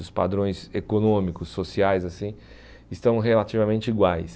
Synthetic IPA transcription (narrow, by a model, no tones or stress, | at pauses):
ʊspa̰d̪ɾõj̃sekonõmikʊsːosiajzasĩ | ɪst̪ɐ̃w̃ɦelat͡ʃ̪ivamẽnt͡ʃɪiɡwajs